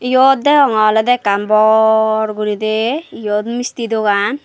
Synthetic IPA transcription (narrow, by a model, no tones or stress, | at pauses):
jot̪̚d̪ɛɔŋɔlɛd̪ɛkambɔɾɡuɾid̪ejot̪mist̪id̪oɡan